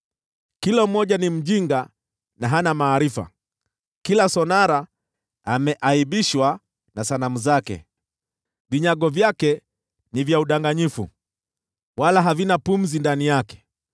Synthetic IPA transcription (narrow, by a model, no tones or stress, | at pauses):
kilɔm̩mɔʄanim̩ʄiŋɡa | naɦanamaːɾifa̰ | kilasɔnaɾa | amɛʔaiɓiʃwa | nasanamuzakɛ̰ | viɲaɠɔvjakɛ | nivjauɗaŋɡaɲifṵ | walaɦavinapum̩zindanijakɛ̥